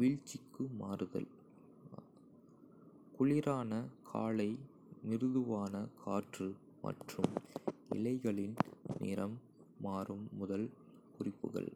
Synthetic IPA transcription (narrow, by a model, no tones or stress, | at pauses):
ʋɪɻt͡ʃːɪkːɯmaːrɯðɐ̰l | kʊɭɪɾaːnɐkʰa̰ːɭɐɪ | mɪɾɯðɯʋaːnɐkʰaːʈrɯ | mʔɐ̰ʈrɯmɪ̰lɐɪɣɐɭɪnnɪ̰ɾɐmː | aːrɯmːʊðɐl | kʊrɪpːɯ̰ɣɐ̰ɭ